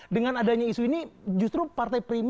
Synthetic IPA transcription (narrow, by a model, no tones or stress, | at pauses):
dəŋanadaɲaisuinid͡ʒust̪ɾupart̪ajpɾim